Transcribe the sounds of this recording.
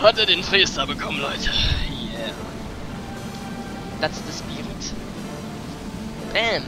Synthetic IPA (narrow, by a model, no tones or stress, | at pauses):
hateɐdeːnfʁeːstɐbəkʰɔmən̩lɔʏtʰəjɛ | d̥atsd̥əspiːʁət | b̥ɛm